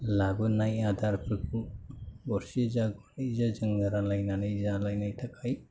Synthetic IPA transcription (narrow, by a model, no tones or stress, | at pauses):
labɯnajad̪ʱaɾpʰɯkʰubɔɾsizaɡɔnizad͡ʒɯŋɡaɾalajnanɯzalajnajtʰakʰaj